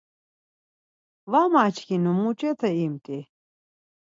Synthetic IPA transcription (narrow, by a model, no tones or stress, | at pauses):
vamat͡ʃʰkinumut͡ʃʼɛt̪ʰɐimt̪ʼi